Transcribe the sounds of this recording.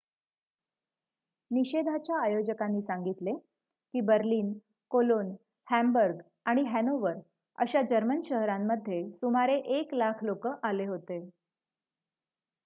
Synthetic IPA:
niɕed̪ʱat͡ɕjaːjod͡ʑəkanːiːsaŋɡit̪le | kiːbəɾliːn | kolon | hæmbəɾɡ | aɽ̃iɦænoʋəɾ | ə̰ɕad͡ʑəɾmənɕəɦɾamːəd̪ʱːjesumaɾeʔeklakʰlokəʔaleɦot̪e

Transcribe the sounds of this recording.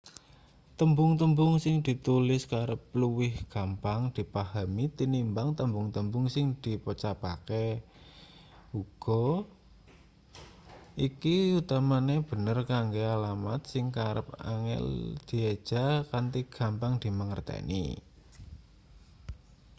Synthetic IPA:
t̪əmbʊŋt̪əmbʊŋsɪŋd̪̥i̤t̪ulɪskaɾəp̚luwɪhɡ̥a̤mpaŋd̪̥i̤paɦamit̪inimbaŋt̪əmbʊŋt̪əmbʊŋsɪŋd̪̥i̤pət͡ʃapake | uɡ̥ɔ | ʔikiut̪amaneb̥ə̤nərkaŋɡealama̰t̪̚sɪŋkaɾə̰p̚a̰ŋɛ̰ld̪̥i̤ed̥ʒ̥a̤kant̪iɡ̥a̤mpaŋd̪̥i̤məŋərt̪ɛ̰nḭ

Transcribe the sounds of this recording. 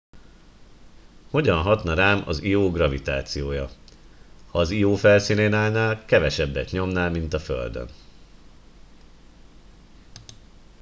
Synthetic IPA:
ho̞ɟɒnɦɒt̪nɒɾaːmɒ̰zijoːɡrɒvit̪a̰ːt̪sijoːjɒ | hɒːzijoːfɛlsiːneːnaːlnaːlkɛvɛʃɛbːɛt̪ɲo̞mnaːlmint̪ɒfø̰ld̪ø̰n

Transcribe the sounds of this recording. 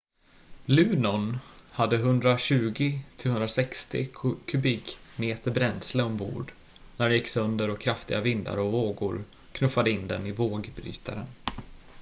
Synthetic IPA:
lʉ̟ːnɔnhad̪ːəɦɵnd̪ɾaɕʉ̟ːɡɪt̪ʰɪlhɵnd̪ɾasɛkst̪ɪ̰kʰːɵbiːkmeːt̪əɾbɾɛnsləɔmbṵːɖ | næɾɛnjɪkːsœnd̪əɾɔkʰɾaft̪ɪɡavɪnd̪a̰ɾɔvoːɡʊ̰ɾ | kʰnɵfːad̪əɪnd̪ɛnɪvoːɡbɾy̰ːt̪aɾə̰n

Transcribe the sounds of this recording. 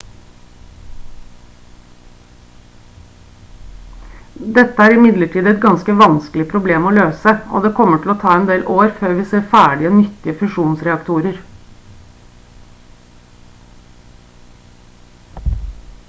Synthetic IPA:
d̪ɛt̪ːəæːɾɪmɪd̪ləʈʰiːd̪ɛt̪ɡɑnskəʋɑnsklɪpʰɾʊbleːmoːløːsəʔo̰ːd̪eːkʰɔmːəʈʰɪloːt̪ʰɑːɛnd̪eːlʔoːɾføːɾʋiːseːɾfæːɖɪonʏt̪ːɪəfʉʂuːnsɾɛɑkt̪ʰuːɾəɾ

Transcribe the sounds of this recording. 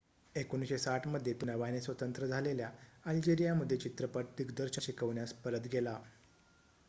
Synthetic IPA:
ekonɕesaʈʰməd̪ʱjet̪unəʋanesʋət̪ənt̪ɾəd͡zʱaleljaald͡ʑeɾijaməd̪ʱːjet͡ɕit̪ɾəpəʈ̚d̪iɡd̪əɾɕəɕikəʋɳjaspəɾət̪ɡʱela

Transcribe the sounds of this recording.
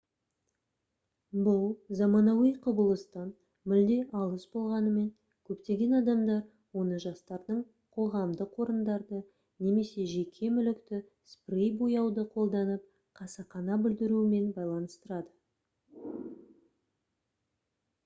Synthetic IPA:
bʊlˠzɑmɑnɑwijqʰʊbəlˠəst̪ɑn | mɪld̪e̞ʔɑlˠəsbo̞lˠʁɑnəme̞ŋ | kʲʰɵpt̪e̞ɡʲe̞nɑd̪ɑmd̪ɑɾ | wo̞nəʒɑst̪ɑɾd̪əɴ | qʰo̞ʁɑmd̪əqʰo̞ɾənd̪ɑɾd̪ə | ne̞me̞se̞ʒe̞kʲʰe̞mʏlɪkt̪ɪ | sprijbojɑwd̪əqʰo̞lˠd̪ɑnəp̚ | qʰɑsɑqɑnɑbʏld̪ɪɾuɪme̞nbɑjlˠɑnəst̪əɾɑd̪ə

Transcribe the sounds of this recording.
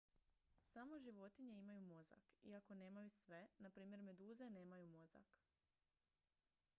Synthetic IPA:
samo̞ʒiʋo̞t̪iɲeimajumo̞za̰kḭako̞ne̞ːmajusʋe̞napɾiːmje̞ɾme̞d̪uːze̞ne̞ːmajumo̞za̰k

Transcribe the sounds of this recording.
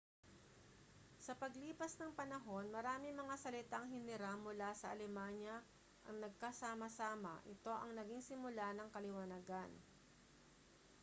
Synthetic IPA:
sɐpɐɡliːpɐsnɐŋpɐnɐɦo̞nmɐɾaːmɪmɐŋasɐlɪt̪aŋɦɪnɪɾamʊlasɐʔɐ̰lɛmaɲjɐ | ʔɐ̰ŋnɐɡ̚kɐsaːmɐsaːmɐ̰ʔɪt̪o̞ʔɐŋnɐɡiŋsɪmʊlanɐŋkɐlɪwɐnaɡan

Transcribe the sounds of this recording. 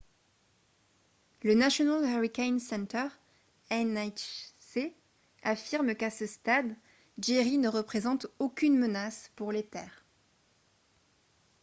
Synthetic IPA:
lənasjɔnalaʁikʲɛnsɛ̃nt̪œʁ | ɛnajse | afiʁmkasəst̪ad̪ | d͡ʒeʁinəʁəpχezɑ̃t̪okʲynmənaspuʁlet̪ɛːʁ

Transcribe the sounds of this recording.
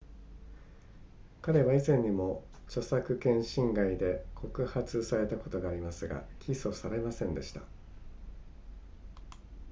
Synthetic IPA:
kaɾe̞βaizẽ̞ɲ̟ːimo̞ | t͡ɕo̞sakɯ̟kẽ̞ɰ̃ɕĩŋɡaid̪e̞kʰo̞kɯ̟hat͡sɨsaɾe̞t̪ako̞t̪o̞ɡaːɾʲimasɨɡa̰kʲʰiso̞saɾe̞masẽ̞nd̪e̞ɕi̥t̪a̰

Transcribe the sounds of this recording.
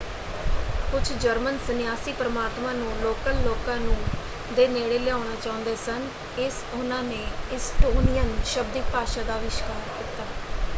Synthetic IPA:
kʊt͡ʃʰd͡ʒəɾmənsənjaːsiːpɾəmaːt̪mãːnũːloːkəlːoːkãːnũː | d̪eːneːɽeːlɛaːɽaːt͡ʃaːʊ̃nd̪eːsən | ɪs | ʊnãːneːɪsʈoːnɪjənʃəbd̪ɪk̚paːʃaːd̪aːʋɪʃkaːɾkɪːt̪ːaː

